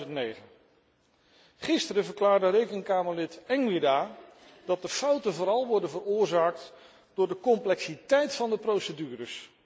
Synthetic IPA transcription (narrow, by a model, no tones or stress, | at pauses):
əntnejχən | χɪstəɾəvəɹklaːɹdərejkəŋkaːməɹlɪtɛŋʋɪdaː | d̥ɑt̚dəfɑwtəvʊːɾɑlˠʋɔɹdənvərʊːɹzaːk̚t | d̥ʊːɹdəkɔmplɛksitɛjtfɑndəprowsədyːrəs